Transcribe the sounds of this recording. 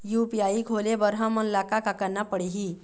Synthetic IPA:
jupiaiɡʱolebəɾɦamənlakakakanːapəɽiɦi

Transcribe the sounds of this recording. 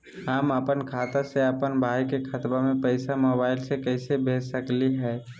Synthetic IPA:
aməpənkʰaːt̪aseəpənbʱaːjkekʰət̪bamẽpəɪsamobaːɪlsekəɪsebʱesəkliɦɛː

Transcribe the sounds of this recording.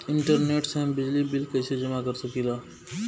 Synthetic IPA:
ɪ̃ɳʈəɾneːʈseɐ̃mbɪd͡ʒlibɪlkɐsed͡ʒɐmakɐɾsɐkilaː

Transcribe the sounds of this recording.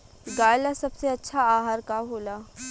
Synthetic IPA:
ɡaːjlasɐbseɐtːʃʰaaːɦaːɾkaɦoːlaː

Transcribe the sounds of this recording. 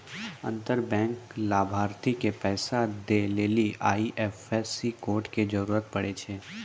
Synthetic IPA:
ə̰̃nt̪əɾbɛ̃ːŋklaːbʱaːɾt̪ikepɛːsad̪eleːliʔaːiʔɛːfɛsikoːɾʈked͡ʒəɾuːɾət̪̚pɐɽet͡ʃʰeː

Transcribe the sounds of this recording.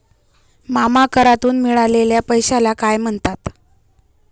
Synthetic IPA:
mamakəɾat̪uːnmiɭaleljapəjɕalakajm̤əɳt̪at̪

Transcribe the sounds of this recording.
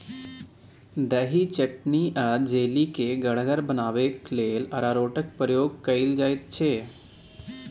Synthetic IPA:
d̪ɛɦit͡ʃəʈniʔad͡ʒeːlikeɡəɽ̤ɡəɾbənaːʋekleːlɐɾaːɾoːʈək̚pəjoːɡ̚kəɪld͡ʒaːit̪̚t͡ʃʰeː

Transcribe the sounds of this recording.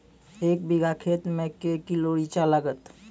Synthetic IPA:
ek̚biɡakʰet̪mẽkekiloɾit͡ʃaləɡət̪

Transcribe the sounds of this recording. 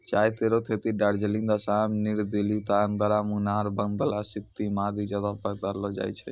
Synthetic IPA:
t͡ʃajt̪eɾot̪ʰet̪iɖaɾd͡ʒeliŋd̪asamniɽd̪elit̪aənd̪əɾamunaɾbənd̪əlasit̪ːimad̪id͡ʒəd̪apəkd̪aɾlɔd͡ʒa̰jt͡ʃʰɛ

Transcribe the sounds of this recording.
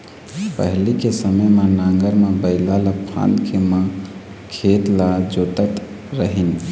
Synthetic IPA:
pə̰ɦlikesəməjmenaŋɡəɾmebəɪlalapʰa̰nkʰemã | kʰet̪lad͡ʒot̪ət̪ | ɾəɦin

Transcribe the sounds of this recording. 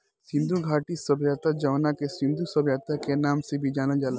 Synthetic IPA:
sɪ̃nd̪ʱuɡʱaːʈisəbʱjaːt̪ad͡ʒɐʋnakesɪ̃nd̪ʱusəbʱjaːt̪akenaːmsebʱid͡ʒaːnəld͡ʒaːla

